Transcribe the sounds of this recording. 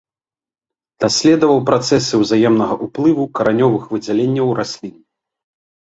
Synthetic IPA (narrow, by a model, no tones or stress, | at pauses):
d̪̥asʲlʲɛd̪ɐvɐwpɾat̪sɛsɨwzajɛmnɐɣɐʔuplˠɨvukɐɾanʲɔvɨxvɨd͡zʲalʲenʲːɐwrasʲlʲinʲːi